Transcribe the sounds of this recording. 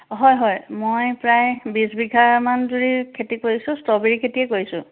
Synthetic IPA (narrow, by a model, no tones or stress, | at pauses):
ɦɔjɦɔjmojpɹajbizbiɡʱaɹmanduɹikʰetikoɹisʊ̃stɔbiɹikʰetiɛkoisʊ̰̃